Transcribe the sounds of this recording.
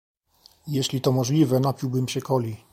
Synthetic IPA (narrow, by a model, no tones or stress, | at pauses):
jeɕlʲit̪ɔmɔʐlʲivɛnapʲiwbɘmɕɛkɔlʲi